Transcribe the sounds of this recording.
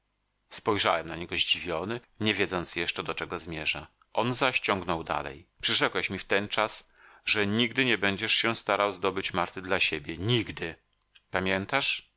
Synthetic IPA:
spɔjʐawɛmnaɲɛɡɔʑd͡ʑivʲjɔnɘ | ɲɛvʲjɛd̪zɔnt̪sjɛʂt͡ʂɛd̪ɔt͡ʂɛɡɔzmʲjɛʐa̰ | ʔɔnzaɕt͡ɕɔŋɡnɔwd̪a̰lɛ̰jpʂɘʐɛkwɛɕmʲift̪ɛnt͡ʂas | ʐɛɲiɡd̪ɘɲɛbɛɲd͡ʑɛʂɕɛst̪aɾawzd̪ɔbɘt͡ɕmaɾt̪ɘd̪laɕebʲjɛɲiɡd̪ɘ | pamʲjɛnt̪aʂ

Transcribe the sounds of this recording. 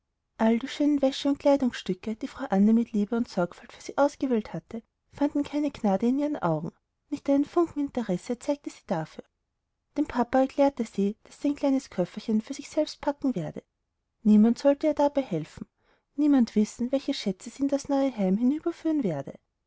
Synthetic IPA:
ʔaldiːʃøːnənvɛʃəʊnt̚kʰl̥aɪdʊŋsʃtʏkəd̥iːfʁ̥aʊʔanːəmɪtʰliːbəʊntsɔɐkfaltfyːɐz̥iːʔaʊsɡ̥əveːlthatʰə | fandn̩kʰaɪnəknaːdəɪniːʁənʔa̰ʊɡŋ̩ | nɪçtʔaɪnənfʊŋkŋ̩ɪntəʁɛsət͡saɪk̚təz̥iːd̥afyːɐ | d̥eːmpʰapaɛɐkʰl̥ɛːɐtəziːd̥asiːaɛnkl̥aɪnəskʰœfɐçənfyːɐz̥ɪçsɛlpst̚pʰakŋ̩veːɐdə | niːmantz̥ɔltəiːɐdabaɪhɛlfn̩ | niːmantv̥ɪsn̩vɛlçəʃɛt͡səz̥iːndasnɔʏəɦaɪmhɪnyːbɐfyːʁənveːɐdə̰

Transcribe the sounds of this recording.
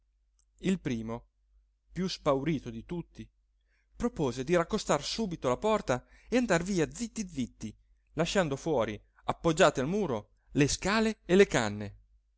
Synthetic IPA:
ilpɾiːmo | pjuspawɾiːt̪od̪it̪ut̪ːi | pɾopoːzed̪iɾakːost̪arsuːbit̪olapɔrt̪a | eand̪arviːad̪zit̪ːid̪zit̪ːi | laʃːand̪ofwɔːɾi | apːod͡ʒːaːt̪ealmuːɾo | leskaːleelekanːe

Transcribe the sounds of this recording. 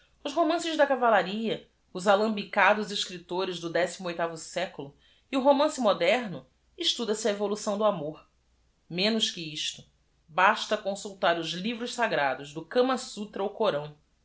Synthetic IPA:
ʊʃɦomɐ̃sɪʒd̪ɐkavalaɾiɐ | ʊzalɐ̃mbikad̪ʊzɪʃkɾit̪oɾɪzd̪ʊd̪ɛsimʊojt̪avʊsɛkʊlʊ | iʊɦomɐ̃sɪmod̪ɛɾnʊ | iʃt̪ud̪ɐsɪɐevolusɐ̃w̃d̪ʊamoɾ | mẽnʊʃkɪiʃt̪ʊ | baʃt̪ɐkõsuwt̪aɾʊzlivɾʊʃsaɡɾad̪ʊzd̪ʊkɐ̃mɐsut̪ɾɐukoɾɐ̃w̃

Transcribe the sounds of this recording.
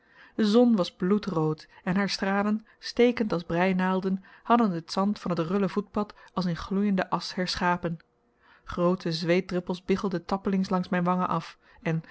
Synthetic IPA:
dəzɔnʋɑzblutrowtɛnɦaːɹstraːlən | stejkəntɑlˠzbrɛjnaːlˠdənhɑdənətsɑntfɑnɦətrʏləvut̚pɑtɑlˠsənχlujəndəʔɑshɛɹsχaːpən | χrowtʰəzʋejt̚drɪpəlˠsbɪχəlˠdətɑpəlɪŋslɑŋsmɛjnʋɑŋəʔɑf | ɛn

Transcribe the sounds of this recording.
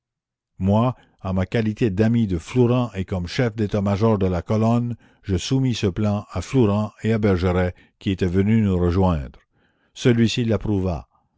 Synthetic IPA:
mwa | ãmakalit̪ed̪amid̪əflɔʁɑ̃ʔekɔmʃɛfd̪et̪amaʒɔʁd̪əlakɔlɔn | ʒəsumisəplɑ̃aflɔʁɑ̃eabɛʁʒəʁɛ | kʲiet̪ɛvənynuʁəʒwɛ̃d̪ʁ | səlɥisilːapʁuva̰

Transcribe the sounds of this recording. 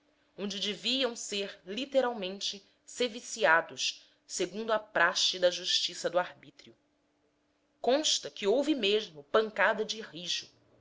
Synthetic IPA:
õnd͡ʒɪd͡ʒeviɐ̃w̃seɾlit̪eɾawmẽnt͡ʃɪ | sevisiad̪ʊʃ | seɡũnd̪ʊɐpɾaʃɪd̪ɐʒuʃt͡ʃisɐd̪ʊahbit̪ɾiʊ | kõʃt̪ɐkɪowvɪmeʒmʊpɐ̃ŋkad̪ɐd͡ʒɪhiʒʊ

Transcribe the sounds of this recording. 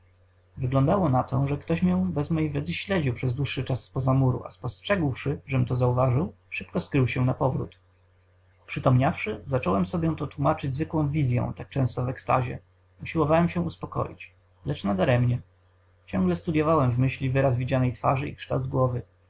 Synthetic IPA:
vɘɡlɔ̃nd̪awɔnat̪ɔʐɛkt̪ɔɕmʲjɔ̃bɛzmɔjejvʲjɛd̪zɘɕlɛd͡ʑiwpʂɛzd̪wuʂːɘt͡ʂasːpɔzamuɾṵʔa̰spɔstʂɛɡwʂɘʐɛmt̪ɔzauvaʐɘw | ʂɘpkɔskɾɘwɕɛnapɔvɾṵt̪ | u̥pʂɘt̪ɔmɲafʂɘzat͡ʂɔwɛmsɔbʲjɛ̃t̪ɔt̪wumat͡ʂɘd͡ʑzvɘkwɔ̃w̃vʲizʲjɛ̰̃t̪ak̚t͡ʂɛ̃w̃st̪ɔvɛkst̪a̰ʑɛ̰ | uɕiwɔvawɛmɕɛuspɔkɔ̰jḭt͡ɕ | lɛt͡ʂnad̪aɾɛmɲɛ | t͡ɕɔ̃ŋɡlɛst̪ud̪ʲjɔvawɛmvmɘɕlʲivɘɾazvʲid͡ʑanɛjt̪faʐɘḭkʂt̪awd̪̚ɡwɔvɘ

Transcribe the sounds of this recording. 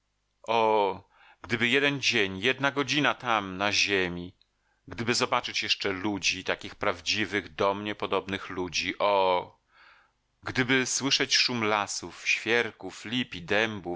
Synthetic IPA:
ʔɔ | ɡ̥d̪ɘbɘjɛd̪ɛnd͡ʑeɲjɛd̪naɡɔd͡ʑinat̪amnaʑemʲi | ɡd̪ɘbɘzɔbat͡ʂɘt͡ɕjɛʂt͡ʂɛlud͡ʑit̪akʲixpɾavd͡ʑivɘɣd̪ɔmɲɛpɔd̪ɔbnɘxlud͡ʑiʔɔ | ɡd̪ɘbɘswɘʂɛt͡ɕʂumlasufɕfʲjɛɾkuflʲipʲid̪ɛmbu

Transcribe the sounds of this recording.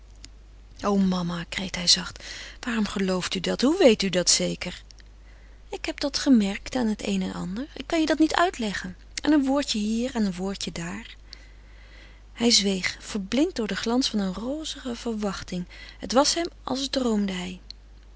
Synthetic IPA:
ʔowmɑmakrejtɦɛjzɑχtʋaːrɔmχəlowftydɑtɦuʋejtydɑtsejkəɹ | ɪkɦɛp̚dɑtχəmɛɹktaːnɦətḛjnɛnʔɑ̰ndəɹɪ̰kːɑnjədɑtnitœɥtlɛχən | ʔa̰ːnənʋʊːɹtəɦiːɹɛnənʋʊːɹtədaːɹ | hɛjzʋejχfəɹblɪnt̚dʊːɹdəχlɑnsfɑnənroːzəχəv̥əɹʋɑχtɪŋətʋɑsɦɛmɑ̰lˠzdrowmdəɦɛj

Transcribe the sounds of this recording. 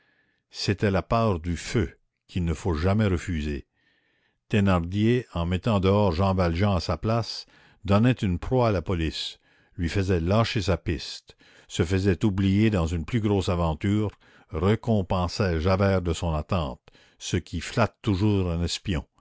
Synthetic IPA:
set̪ɛlapaːʁd̪yfø | kʰilnəfoʒamɛʁəfyze | t̪enaʁd̪jeɑ̃mɛt̪ɑ̃d̪əɔːʁʒɑ̃valʒɑ̃asaplas | d̪ɔnɛt̪ynpʁwaːlapɔlis | lɥifəzɛlaːʃesapist̪ | səfəzɛt̪ublijed̪ɑ̃zynplyɡɾoːsavɑ̃t̪yːʁ | rəkɔ̃pɑ̃sɛʒavɛːʁd̪əsɔ̃nat̪ɑ̃ːt̪ | səkʰʲiflat̪ːuʒuːʁɛ̃nɛspjɔ̃

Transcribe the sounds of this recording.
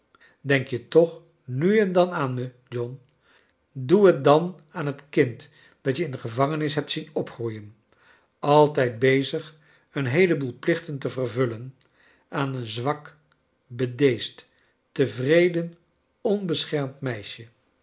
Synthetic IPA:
dɛŋkjətɔχ | nyɛndɑnaːnmə | d͡ʒɔn | duɦət̚dɑn | aːnɦətkɪnt | d̥ɑtjəɪndəχəvɑŋənɪs̬ɦɛp̚tsinɔpχrujən | ɑlˠtɛjt̚bejzəχ | ənɦejləbulˠplɪχtəntəvərvɵlən | aːnənzʋɑk | bədejst | təvrejdən | ɔnbəsχɛɹmtmɛjʃə

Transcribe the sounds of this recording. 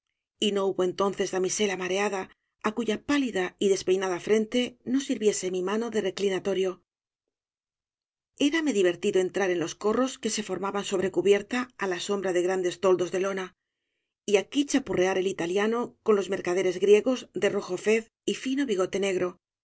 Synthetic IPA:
ino̞uβo̞e̞nt̪o̞n̟θe̞zðamise̞lamaɾe̞aða | akuʝapaliðaiðe̞spe̞jnaðafɾe̞nt̪e̞no̞siɾβje̞se̞mimano̞ðe̞re̞klinat̪o̞ɾjo̞ | e̞ɾame̞ðiβ̞e̞ɾt̪iðo̞e̞nt̪ɾaɾe̞nlo̞sko̞ro̞ske̞se̞fo̞ɾmaβanso̞βɾe̞kuβje̞ɾt̪aːlaso̞mbɾaðe̞ɣɾand̪e̞st̪o̞ld̪o̞zðe̞lo̞na | iakit͡ʃapureaɾe̞lit̪aljano̞ko̞nlo̞zme̞ɾkaðe̞ɾe̞zɣɾje̞ɣo̞zd̪e̞ro̞xo̞fe̞θ | ifino̞βiɣo̞t̪e̞ne̞ɣɾo̞

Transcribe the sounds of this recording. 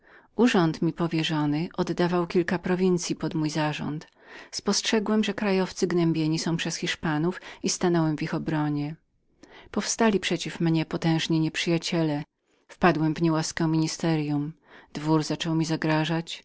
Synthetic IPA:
ʔuʐɔnt̪mʲipɔvʲjɛʐɔnɘʔɔd̪ːavawkʲilkapɾɔvʲint̪sʲjipɔd̪mujzaʐɔ̰nt̪ | spɔstʂɛɡwɛmʐɛkɾajɔft̪sɘɡnɛmbʲjeɲisɔ̃w̃pʂɛsxʲiʂpanufist̪anɔwɛmvixɔbɾɔɲɛ | pɔfst̪alʲipʂɛt͡ɕifmɲɛpɔt̪ɛ̃w̃ʐɲiɲɛpʂɘjat͡ɕɛlɛ | fpad̪wɛmvɲɛwaskɛ̃mʲiɲist̪ɛɾjum | d̪̥vuɾzat͡ʂɔwmʲizaɡɾaʐat͡ɕ

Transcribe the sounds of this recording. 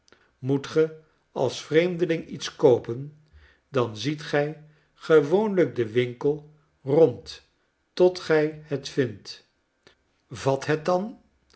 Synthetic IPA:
mutχə | ɑ̰lˠsfrejmdəlɪŋitskowpən | dɑnzitχɛj | χəʋownləɡ̚dəʋɪŋkəlˠ | rɔnt | tɔtχɛjətfɪnt | vɑtɦət̚dɑn

